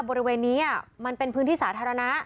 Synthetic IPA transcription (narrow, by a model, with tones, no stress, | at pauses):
bɔː˧ɾi˦˥weː˧nːiː˦˥ni˥˩ma˧npe˧npʰɯː˦˥nt̪iː˥˩saː˩˦t̪ʰaː˧ɾa˧na˦˥